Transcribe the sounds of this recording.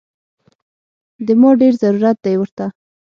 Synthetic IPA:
d̪əmɑɖeɾzaɾuɾat̪̚d̪ajwəɾt̪a

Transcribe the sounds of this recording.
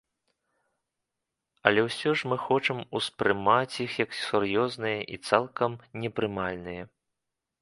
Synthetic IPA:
ɐ̰lʲɛwsʲɔʐmɨxɔt͡ʂɐmuspɾɨmat͡sʲixjɐksʲurjɔznɨjɐʔit̪salˠkɐmnʲɛpɾɨmalʲnɨjɐ

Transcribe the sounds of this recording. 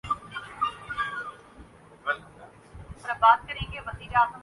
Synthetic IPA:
sɾəbaːd̪̚kəɾẽːŋɡeʋəziːɾaːzəm

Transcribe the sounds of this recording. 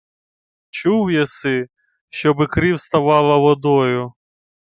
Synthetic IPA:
t͡ʃuwjɛsɪ | ʃt͡ʃɔbɪkɾiwst̪ɐʋɑlˠɐʋɔd̪ɔjʊ

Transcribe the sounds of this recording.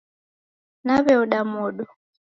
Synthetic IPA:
naβɛuɗamɔɗɔ

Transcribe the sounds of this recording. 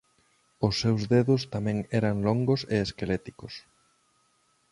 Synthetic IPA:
ʊsːewzðeðʊst̪amɛ̃ŋɛɾaŋloŋɡʊseeskelet̪ikʊs

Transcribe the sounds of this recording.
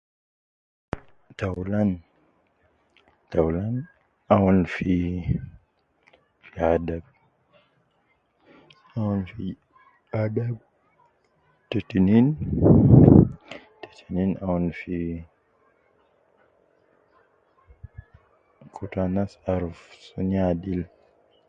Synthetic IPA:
tawlan | tawlan | awɔnfi | fiadab̚ | awɔnfi | adab̚ | tetinin | te̥tʰininawɔnfi | kʰutanasaɾfsuɲadil

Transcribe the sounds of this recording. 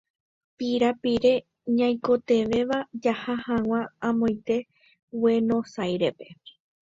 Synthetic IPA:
piɾapiɾe̞ | ɲãj̃ko̞t̪e̞ʋe̞ʋad͡ʒahahãw̃ããmõj̃t̪e̞ | we̞nõ̞sajɾe̞pe̞

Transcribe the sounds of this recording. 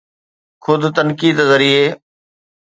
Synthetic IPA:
kʰʊd̪t̪ənkiːd̪zəɾiːeː

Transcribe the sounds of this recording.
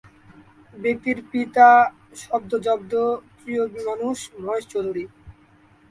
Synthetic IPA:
bet̪iɾpit̪a | ʃɔbd̪od͡ʑɔb̚d̪ot̪ɾijobimanuʃbʱɔeʃt͡ɕoɾuɾi

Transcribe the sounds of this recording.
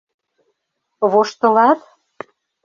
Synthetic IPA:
βoʃt̪ɤ̆lɑt̪

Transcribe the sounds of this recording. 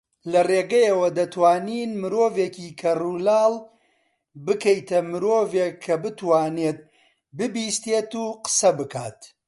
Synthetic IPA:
lɐreːɡɐjɐwɐd̪ɐt̪waːniːnmɨɾoːveːkiːkʰɐrulaːlˠ | bɨkɐjt̪ɐmɨɾoːveːkʰːɐbɨt̪waːneːt̪̚ | bɨbiːst̪eːt̪uːqə̥sɐbɨkʰaːt̪

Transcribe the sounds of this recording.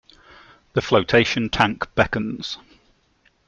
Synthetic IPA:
ðəfləʊtʰeɪʃə̃ntʰãŋkb̥ɛkə̃nz̥

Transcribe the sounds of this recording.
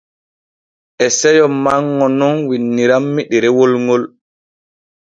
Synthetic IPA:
ʔɛsɛjɔmːaŋːɔnɔnwinːiɾamːiɗiɾɛwolŋɡɔl

